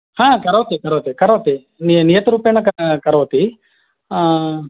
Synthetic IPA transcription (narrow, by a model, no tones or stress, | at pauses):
hãːkɐɾɐʋɐt̪ikɐɾɐʋɐt̪ikɐɾɐʋɐt̪i | ninijɐt̪ɐɾuːpjenːɐkɐkɐɾɐʋɐt̪i